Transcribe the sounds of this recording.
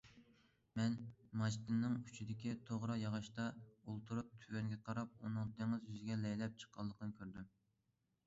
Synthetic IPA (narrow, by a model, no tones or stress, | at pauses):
mɛnmɑʒt̪ɨnːɨŋyt͡ʃʰid̪ɪkʲit̪ʰoʁɾɑjɑʁɑʃt̪ɑulˠt̪ʰuɾup̚t̪ʰywɛŋɡʲɛqʰɑɾɑp̚unɨŋd̪ɪŋɨzjyzɪɡʲɛlɛjlɛp̚t͡ʃʰə̥qʰːɑlˠːəqʰənɨkʲʰøɾd̪ym